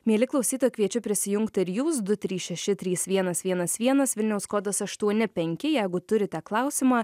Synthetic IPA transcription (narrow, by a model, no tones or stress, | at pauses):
mʲiɛlʲɪklˠɐʊsʲiːt̪oːjkʋʲiɛt͡ʃʲʊpʲɾʲɪsʲɪjʊŋkt̪ɪɾjuːsd̪ʊt̪ʲɾʲiːsʃʲɛʃʲɪt̪ʲɾʲiːsʋʲiɛnɐsʋʲiɛnɐsʋʲiɛnɐsʋʲɪlʲnʲɛʊskoːd̪ɐsɐʃt̪uɔnʲɪpʲɛŋʲkʲɪjɛɪɡʊt̪ʊɾʲɪt̪ʲɛklˠɑˑʊsʲɪmɑː